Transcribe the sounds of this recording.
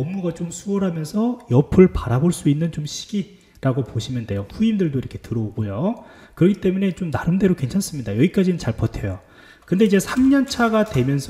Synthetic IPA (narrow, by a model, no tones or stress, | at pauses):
ʌmːuɡat͡ɕomsʰuʌɾɦamjʌnsʰʌjʌpʰɯɭpaɾaboɭs͈uinːɯnt͡ɕomɕʰi̥ɡi | ɾaɡopoɕʰimjʌnde̞joɸuindɯɭdoiɾʌkʰe̞tɯɾʌoɡojo | kɯɾʌɡʰit͈e̞mune̞t͡ɕomnaɾɯnde̞ɾokwe̞nt͡ɕʰans͈ɯmɲidajʌɡik͈ad͡ʑinɯnt͡ɕaɭpʌtʰejo | kɯndeid͡ʑe̞sʰamɲʌnt͡ɕʰaɡadwe̞mjʌnsʰ